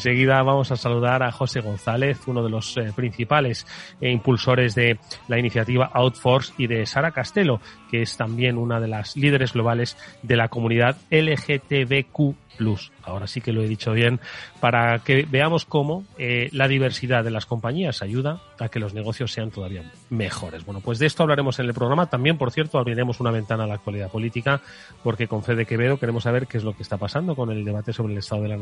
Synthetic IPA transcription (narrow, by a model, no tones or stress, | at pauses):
ense̞ɣ̞iðaβ̞amo̞sasaluðaɾaxo̞se̞ɣ̞o̞nθale̞θuno̞ð̞e̞lo̞spɾin̟θipale̞simpulso̞ɾe̞zðe̞lainiθjat̪iβ̞aʔawt̪fo̞ɾsiðe̞saɾakast̪e̞lo̞keest̪ambje̞nunað̞e̞lazlið̞e̞ɾe̞zɣlo̞β̞ale̞zðe̞lako̞mũniðaðelexe̞t̪eβe̞ku | plusao̞ɾasike̞lo̞e̞ðit͡ʃo̞β̞je̞npaɾake̞be̞amo̞sko̞mo̞elaðiβ̞e̞ɾsiðaðe̞lasko̞mpaɲiasaʝuð̞aː | ke̞lo̞zne̞ɣ̞o̞θjo̞sːe̞ant̪o̞ðaβia | me̞xo̞ɾe̞zbwe̞no̞pwe̞zðe̞est̪oaβlaɾe̞mo̞se̞ne̞lpɾo̞ɣɾamat̪ambje̞mpo̞ɾθje̞ɾt̪oaβɾiɾemo̞sunaβ̞e̞nt̪analaːkt̪waliðapo̞lit̪ika | po̞ɾke̞ko̞ɱfe̞ðe̞ke̞βe̞ðoke̞ɾe̞mosaβ̞e̞ɾkeezlo̞kest̪apasand̪o̞ko̞ne̞ld̪e̞β̞at̪e̞so̞βɾe̞lest̪aðo̞ðea